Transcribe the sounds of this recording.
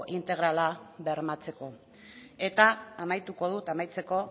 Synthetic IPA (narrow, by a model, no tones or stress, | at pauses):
ʔint̪e̞ɣ̞ɾalaβeɾmat͡se̞ko̞ | e̞t̪aːmajt̪uko̞ð̞ut̪amajt͡se̞ko̞